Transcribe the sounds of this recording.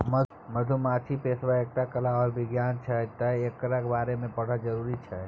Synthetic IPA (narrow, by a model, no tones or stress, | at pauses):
mə | məd̪ʱumat͡ʃʰipesʋaek̚ʈakəlaɔːɾbɪɡjaːnt͡ʃʰɛt̪əekːəɾəkbaːɾemẽpəɽ̤ad͡ʒəɾuːɾit͡ʃʰɛ